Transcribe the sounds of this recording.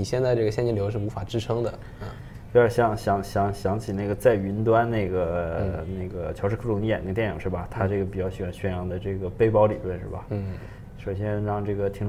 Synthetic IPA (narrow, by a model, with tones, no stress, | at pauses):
i˨˩ɕjɛ˥˧nt͡sa˥˧ɪʈ͡ʂɤ˥˩ɡəɕjnt͡ɕi˥nljo˧˥ʊʂɻ̩˥˩u˧˥fa˨˩ʈ͡ʂɻ̩˥ʈ͡ʂʰɤ˥ŋd̪ə˨˧˩ | o˥ə˧˥ɕjɑ˧˩˥ŋɕjɑ˧˥ŋɕjɑ˧˥ŋɕjɑ˧˥ŋt͡ɕʰi˨˩na˥˩ɡə˩t͡sa˥˩ɪy˧˥nt̪wa˥nne˥˩ɪɡə˩na˥˩ɪɡə˩t͡ɕʰjɑ˧˥ʊʂ̩ɻkʰʈ͡ʂʊ˥˩ŋni˧˥jɛ˨˩n˥˩˧t̪jɛ˥˩njḭ˨˩ŋʂɻ̩˥˩bɐ˩t̪ʰa˥ʈ͡ʂɤ˥˩ɡə˩p̬i˨˩t͡ɕjɑ˥˩ʊɕy˨˩˧nɕɥɛ˥njɑ˥˩ŋd̪ə˩ʈ͡ʂɤ˥˩ɡə˩pe˥ɪpɑ˥ʊlḭ˨˩lwə˥˧nʂɻ̩˥˩bɐ̰˩˥˩ | ʂo˨˩ʊɕ̬jɛ˥nɻɑ˥˧ŋʈ͡ʂɤ˥˩ɡə˩t̪ʰi˧˥ŋʈ͡ʂ